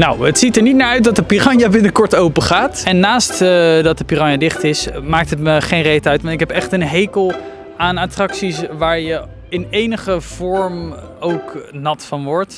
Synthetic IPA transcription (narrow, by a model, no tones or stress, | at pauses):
na̰wətsitəɹnit̚naːɹœɥt̚dɑt̚dəpirɑnjabɪnəkɔɹtowpəχaːtɛnːaːstdɑt̚dəpirɑnjadɪχtɪsmaːk̚tɦətməχejnrejtəœɥtmaːɹɪkɦɛpɛχtənɦejkəlˠ | aːnaːtrɑksisʋaːɹjə | ɪnejnəχəv̥ɔɹm | owknɑtfɑnʋɔɹt